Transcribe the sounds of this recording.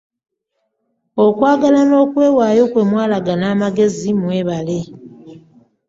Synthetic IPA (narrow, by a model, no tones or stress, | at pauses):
o̞kwaːɡalano̞ːkwe̞ːwaːjo̞kwe̞ːmwaːlaɡanaːmaɡe̞zimwe̞ːβale̞